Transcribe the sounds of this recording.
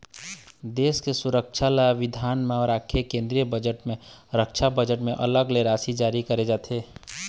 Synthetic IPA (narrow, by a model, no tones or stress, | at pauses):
d̪eːskesʊɾəkʃʰalaaʋɪd̪ʱaːnmẽɔːɾaːkʰekẽːnd̪ɾijəbəd͡ʒəʈmẽɾəkʃʰabəd͡ʒəʈmẽʔɐ̰ləɡleɾaːsid͡ʒaːɾikəɾed͡ʒaːt̪ʰeː